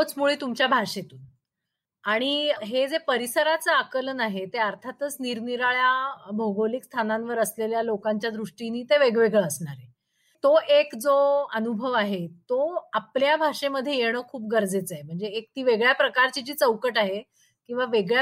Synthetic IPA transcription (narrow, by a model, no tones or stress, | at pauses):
ot͡smuɭiːt̪umt͡ɕjabʱaʂet̪uːn | aɽ̃iɦed͡zepəɾisəɾat͡saːkələnaɦet̪eəɾt̪ʰat̪ət͡sniɾniɾaɭjabʱoɡolikst̪ʰanãnʋəɾəsleljalokaɲt͡ɕjad̪ɾuʂʈiniːt̪eʋeɡʋeɡɭəəsɳaɾe | t̪oʔekd͡zoənubʱəʋaɦet̪oapljabʱaʂeməd̪ʱːjejeɽ̃əkʰuːp̚ɡəɾd͡zet͡sːem̤əɳd͡zeːk̚t̪iːʋeɡɭjapɾəkaɾt͡ɕit͡ɕiːt͡səwkəʈaɦe | kĩw̃ʋaʋeɡɭja